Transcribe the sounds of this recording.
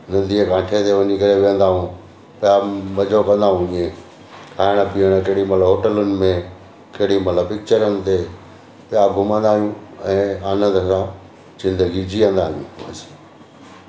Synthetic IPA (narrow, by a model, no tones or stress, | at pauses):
nɐ̃nd̪ieɡʱãːʈʰet̪eʋəɲĩkɐɾeʋiə̃nd̪aːɦũ | pjabɐd͡ʑʱokɐ̃nd̪aːɦũĩːẽ | kʰaːɪɽ̃əpiəɽ̃keɦɽimɐt̪ləbɦoːʈəlʊnɪ̆mẽ | keɦɽimɐt̪ləbpɪk̚t͡ɕəɾənɪ̆t̪e | pɪjaɡʱʊmə̃nd̪aːɦijũɛ̃ːaːnə̃nd̪əsã | zɪ̃nd̪əɡid͡ʑiə̃nd̪aːɦijṵ̃ɐsi̥ː